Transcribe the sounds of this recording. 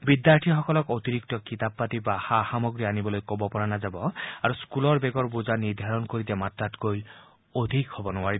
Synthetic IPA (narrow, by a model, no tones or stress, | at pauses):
bidjaɹtʰixɔkɔlɔkot̪iɹiktɔkit̪ap̚patibaxaxamɔɡɹianibɔlojkobɔpɔɹanazabɔaɹuskulɔɹbeɡɔɹbuzaniɹd̪ʱaɹɔnkoɹit̪ɛmatːatkoj | od̪ʱikhɔbɔnʊwaɹi